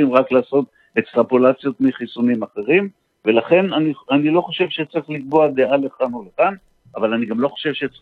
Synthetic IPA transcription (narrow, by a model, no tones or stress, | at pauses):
imʁaklaːso̞t̪ | ekst̪ʁapolat͡sjo̞t̪miχisunimaχe̞ʁim | ve̞laχe̞nanianilo̞χo̞ʃe̞vʃet͡saʁiχlikboad̪eʔale̞χanolekan | avalaniɡamlo̞χo̥ʃevʃet͡s